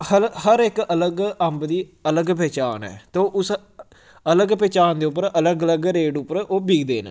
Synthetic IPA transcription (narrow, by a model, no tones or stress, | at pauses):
həɾhəɾɪkələɡəmbd̪iːələɡpɛːt͡ʃaːnɛ̰ːt̪oːʔʊs | ələɡpɛːt͡ʃaːnd̪eːʊp̬ːəɾələɡələɡɾeːɖʊpːəɾoːbiːɡd̪eːn̰